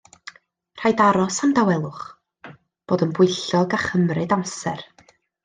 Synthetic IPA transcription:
r̥ajdaɾɔsamdawɛlˠʊχ | b̥oːdənbʊjɬɔɡaχəmrɨdamsɛr

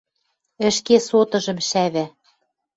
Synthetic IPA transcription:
ɘ̆ʃkesot̪ɤ̆ʒɤ̆mʃæβæ

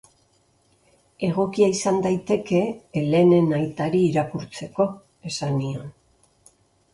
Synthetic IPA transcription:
e̞ɣ̞o̞kiaisand̪ajt̪e̞ke̞le̞ne̞najt̪aɾiːɾakuɾt͡se̞ko̞ | e̞sanion

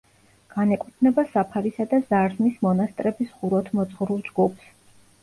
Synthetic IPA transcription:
ɡ̥anɛkʼt̪ʰnɛbasapʰaɾisad̪azaɾznismɔnast̪ʼɾɛbisʁuɾɔt̪ʰmɔt̪zʁɾulˠd͡ʒɡupʰs

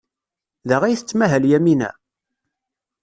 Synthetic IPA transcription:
ðæʁæjθət͡sːmæɦæljæminæ̰

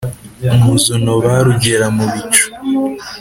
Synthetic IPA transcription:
umuzunoβaɾuɟeɾamuβit͡ʃo̥

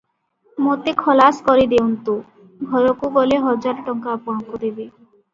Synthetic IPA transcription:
mot̪ekʰɔlaskɔɾid̪ewnt̪u | ɡʱɔɾokuɡɔleɦɔd͡ʒaɾʈɔŋkaːpɔɦaŋkud̪ebe

